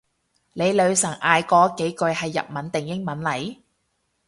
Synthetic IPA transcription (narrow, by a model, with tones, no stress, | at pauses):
le˨˧jlɵ˨˧ɥsɐ˨˩ŋʔaː˨jkɔː˨˥ke˨˥jkɵ˧ɥhɐ˨jːɐ̰˨p̚mɐ˨˥nt̪ɪ˨ŋjɪ˥ŋmɐ˨˥nlɐ˨˥j